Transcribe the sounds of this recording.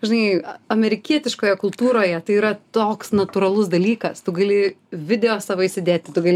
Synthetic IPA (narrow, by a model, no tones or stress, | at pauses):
ʒʲɪnɐɪɐmʲɛɾʲɪkʲiɛt̪ʲɪʃkoːjɛkʊlˠt̪uːɾoːjɛt̪ɐɪiːɾɐt̪oːksnɐt̪uɾɐlˠʊsd̪ɐlʲiːkɐst̪ʊɡɐlʲɪʋʲɪd̪ʲɛjoːssɑʋoɪʃʲsʲɪd̪ʲeːt̪ʲɪt̪ʊɡɐlʲɪ